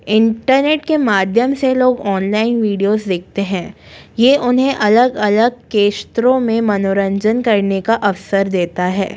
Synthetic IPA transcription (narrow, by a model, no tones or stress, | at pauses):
ɪ̃ɳʈəɾneːʈkemaːd̪ʱjəmseloːɡɔːnlaːɪnʋiːɖijozd̪eːk̚ʰt̪eɦɛ̃ːjeːʔʊnɦẽʔɐləɡɐləɡ̚keːʃt̪ɾõmẽmɐnoːɾə̃ɲd͡ʒənkɐɾnekaʔɐʋsəɾd̪eːt̪aɦɛ̰ː